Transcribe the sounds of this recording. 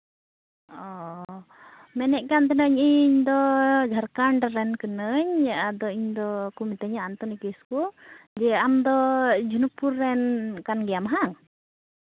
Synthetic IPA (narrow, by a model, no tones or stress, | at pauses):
ɔ | mɛnɛʔ̚kant̪ɛnəɲiɲd̪ɔd͡ʒʱaɾkaɳɖaɾɛnkənəɲjaʔad̪ɔiɲd̪ɔkumit̪əɲaant̪ɔnikiskud͡ʒɛamd̪ɔd͡ʒʱunupuɾːɛnkanɡɛjamɦaŋ